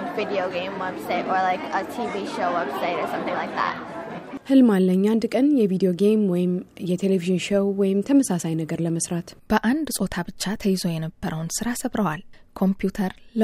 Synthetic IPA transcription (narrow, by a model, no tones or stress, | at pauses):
vɪɾioʊɡẽɪ̃mwɛbsaɪɾə˞laɪkətʰiviʃoʊwɛb̥saɪɾə˞sʌ̃mθɪ̃ŋlaɪk̚ðæ̰t̚hɨlmalːəɲːand̪kʼənjɛvid̪ijo̞ɡejmwɔjɪmjɛt̪ʰeleviʒɨnʃəwwɔjɪmt̪ʰəməsasajnəɡəɾləməsɾat̪b̥əʔand̪sʼo̞t̪ʰabɨt͡ʃːat̪ʰəjɪzo̞jɛnəbːəɾʔəwnsɨɾasəβɾəwalkʰo̞mpʰjut̪ʰəɾl